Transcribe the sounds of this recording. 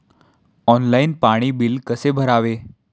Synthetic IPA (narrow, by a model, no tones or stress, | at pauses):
ɔnlainpaɽ̃iːbilkəsebʱəɾaʋe